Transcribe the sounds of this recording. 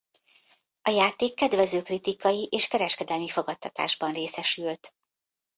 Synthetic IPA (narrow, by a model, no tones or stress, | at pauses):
ɒjaːt̪eːkːɛd̪vɛzøːkrit̪ikɒjiʔeːʃkɛɾɛʃkɛd̪ɛlmifo̞ɡɒt̪ːɒt̪a̰ːʒbɒnreːsɛʃylt̪